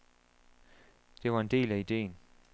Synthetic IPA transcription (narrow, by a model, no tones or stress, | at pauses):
d̥eʋaend̥e̝̰ːlæid̥ḛːn